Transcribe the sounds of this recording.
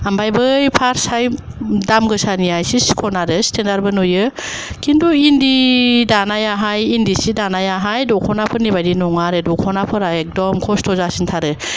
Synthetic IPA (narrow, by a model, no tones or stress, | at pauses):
ambajbɯjpʰaɾsajdamɡɯsaniajsisi̥kʰɔnaɾɯsi̥tʰendaɾbɯnojɯ | kʰinduindidanajaɦajindisidanajaɦajdɔkʰɔnapʰɯɾnibajdinɔŋaɾɯdɔkʰɔnapʰɯɾaek̚dɔmkʰɔstʰɔzasintʰaɾɯ